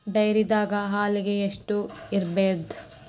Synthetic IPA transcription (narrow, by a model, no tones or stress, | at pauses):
ɖɐjɾid̪aːɡɐɦaːliɡeeʂʈuiɾbeːd̪